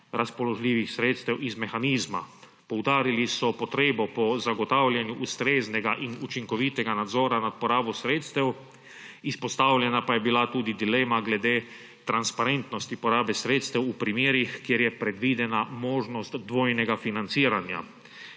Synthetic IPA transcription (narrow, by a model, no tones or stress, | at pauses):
ɾaspɔlɔʒlʲiːʋixsɾeːt̪st̪ɛwʔizmɛxaniːzma̰ | pɔwd̪aːɾilisɔpɔt̪ɾeːbɔpɔzaɡɔt̪awlʲjɛnjuʔust̪ɾeːznɛɡaʔinut͡ʃiŋkɔʋit̪ɛɡanad̪zɔːɾanat̪̚pɔɾaːbɔsɾeːt̪st̪ɛw | ispɔst̪awlʲjɛnapajɛbilat̪uːd̪id̪ileːmaɡlɛd̪eː | t̪ɾanspaɾent̪nɔst̪ipɔɾaːbɛsɾeːt̪st̪ɛwupɾimeːɾixkjeɾjɛpɾɛd̪ʋid̪ɛnamɔːʒnɔst̪d̪ʋɔːjnɛɡafinant̪siːɾanja̰